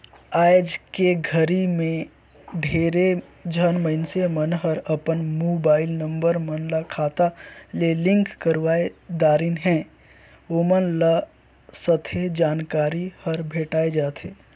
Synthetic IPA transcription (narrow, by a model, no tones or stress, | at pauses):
aːjd͡ʒkeɡʱəɾimẽ | ɖʱeːɾed͡ʒʱənməɪnsemənɦəɾɐpənmoːbaːɪlnə̃mbəɾmənlakʰaːt̪alelɪ̃ŋkkəɾʋaːed̪aːɾɪnɦɛ̃ː | oːmənla | sət̪ʰed͡ʒaːnkaːɾihəɾbʱeːʈaːed͡ʒaːt̪ʰeː